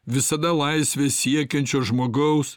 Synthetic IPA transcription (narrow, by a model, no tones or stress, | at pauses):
ʋʲɪsɐd̪ɐlˠɐɪsʲʋʲeːsʲiɛkʲɛnʲt͡ʃʲoːʒmoːɡɐʊs